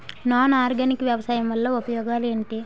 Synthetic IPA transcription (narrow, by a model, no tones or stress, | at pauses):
naːnaːɾɡɐnikɐʋjɐʋɐsaːjɐmʋɐlːɐupɐjɔːɡaːleːɳʈe